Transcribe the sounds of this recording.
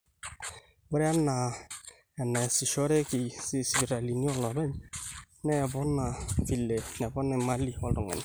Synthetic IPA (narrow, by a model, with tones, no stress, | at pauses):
wɛ˦ɾɛ˦a˦na˨ | ɛ˨nɛ˨si˨ʃɔ˦ɾe˦ki˨si˨sbi˨ɾa˨li˨ni˦ɔ˦˨lɔ˨ɾɛ˦ɲ | nɛ˦˨bɔ˦na˨fi˨le˨nɛ˨bɔ˦nɛ˨ma˦li˨ɔ˨lʊ˨ŋɛ̰˨n˨